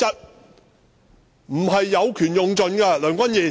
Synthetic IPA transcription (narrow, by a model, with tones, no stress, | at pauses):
ɐ˥t̚ | m̩˨˩ɦɐ˨jːɐ˨˧wkʰyː˨˩njʊ˨ŋt͡ʃɵ˨nkɛ˧lœː˨˩ŋkʷɐ˥njiː˨˩